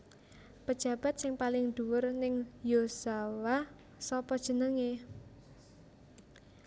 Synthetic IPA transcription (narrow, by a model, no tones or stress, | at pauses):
pəd̥ʒ̥ä̤b̥a̤t̪̚sɪŋpalɪŋd̪̥uwʊrnɪŋjosawa | sɔpɔd̥ʒ̥ə̤nəŋe